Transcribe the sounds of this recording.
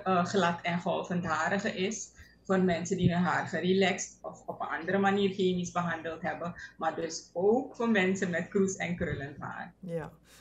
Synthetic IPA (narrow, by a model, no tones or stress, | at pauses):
əχlɑtʰɛnχɔlˠfəntdaːɾəχəʔɪs | foːrmɛnsəndinəɦaːrχərilɛkstɔfɔpənɑ̰ndəɾəmaniːrχeːmisbəɦɑndəlˠtɦɛbəmaːrdɵsoːkfoːrmɛnsənmɛtkrusɛ̰nkrøləntɦa̰ːr